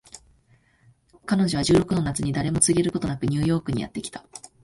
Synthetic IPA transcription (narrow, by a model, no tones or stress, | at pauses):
kano̞ʑo̞β̞aʑɨːɾo̞kɯ̟no̞nat͡sɨɲ̟id̪aɾe̞mo̞t͡sɨɡʲe̞ɾɯ̟ko̞t̪o̞nakɯ̟ɲ̟ɨ̟ːjo̞ːkɯ̟ɲ̟ḭja̰t̪ːe̞kʲi̥t̪ḁ